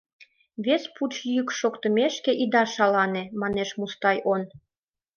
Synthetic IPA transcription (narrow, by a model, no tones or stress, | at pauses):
βesput͡ɕjykʃokt̪ə̆meʃkeʔid̪ɑʃɑlɑnemɑneʃmust̪ɑjʔon